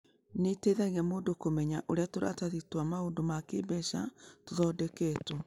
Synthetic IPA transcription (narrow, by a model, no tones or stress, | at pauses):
neteðɛɣɛmoːndokomɛɲaʔoɾeatoɾa̰taðitwamaoːndomakeːbɛʃatoðɔdɛketo